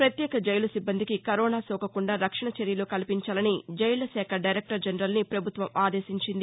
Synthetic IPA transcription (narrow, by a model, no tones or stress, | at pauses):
pɾɐt̪jɛːkɐd͡ʒɐjlɐsibːɐnd̪ikikɐɾɔːnaːsɔːkɐkuɳɖaːɾɐkʂɐɳɐt͡ʃeɾjɐloːkɐlipiɲt͡ʃaːlɐnid͡ʒɐjlɐsɛːkʰɐɖɐjɾek̚ʈɐɾd͡ʒɐnɾɐlnipɾɐbʱut̪ʋɐmaːd̪e̞ːsiɲt͡ʃind̪i